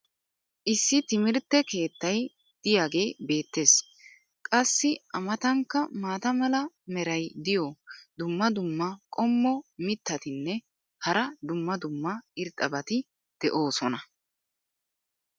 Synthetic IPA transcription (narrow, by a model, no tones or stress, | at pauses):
ʔɪsːɪt̪ɪmɪɾt̪ːɛke̞ːt̪ːɐj | d̪̥ɪjaːɡe̞ːbe̞ːt̪ːe̞ːs | kʼɐsːɪɐmɐt̪ɐŋkːɐmaːt̪ɐmɐlɐ | mɛɾɐjd̪ɪjɔd̪ʊmːɐd̪ʊmːɐkʼɔmːɔmɪt̪ːɐt̪ɪnːɛ | hɐɾɐd̪ʊmːɐd̪ʊmːɐɪɾt̪ʼːɐbɐt̪ɪ | d̪̥ɛʔo̞ːsɔnɐ